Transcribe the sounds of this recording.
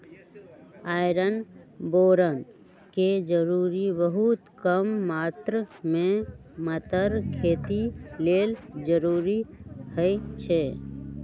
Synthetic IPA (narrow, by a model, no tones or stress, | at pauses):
aːɪɾənboːɾən | ked͡ʒəɾuːɾibəɦut̪kəmːaːt̪ɾəmẽmət̪əɾkʰeːt̪ileːld͡ʒəɾuːɾihəit͡ʃʰe